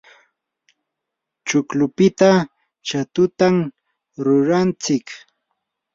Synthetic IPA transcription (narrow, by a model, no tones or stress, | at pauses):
t͡ʃʊklʊpɪt̪a | t͡ʃat̪ʊt̪am | ɾʊɾant͡sɪk